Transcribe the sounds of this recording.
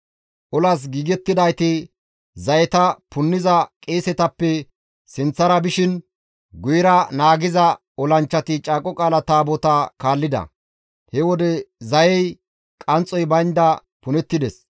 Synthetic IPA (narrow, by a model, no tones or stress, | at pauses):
ʔɔlɐs̬ɡiːɡɛt̪ːɪd̪ɐjt̪ɪ | zɐjɛt̪ɐpʊnːɪzɐkʼeːsɛt̪ɐpːɛ | sɪnt͡sːɐɾɐbɪʃɪn | ɡʊjɪɾɐnaːɡɪzɐ | ɔlɐnt͡ʃːɐt̪ɪt͡ʃʼaːkʼɔkʼaːlɐt̪aːbɔt̪akaːlːɪd̪ɐ̰ | hɛwɔd̪ɛzɐjɛj | kʼɐnt͡sʼːɔjbɐjnd̪ɐ | pʊnɛt̪ːɪd̪ɛs